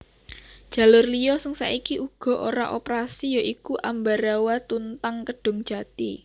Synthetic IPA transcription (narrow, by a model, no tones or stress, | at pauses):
d̥ʒ̥ä̤lʊrliɔsəŋsa̰ʔikiʔuɡ̥ɔ̤ʔoɾa̰ʔopɾasijaʔikuʔambaɾawat̪unt̪aŋkəɖ̥ʊ̤ŋd̥ʒ̥a̤t̪i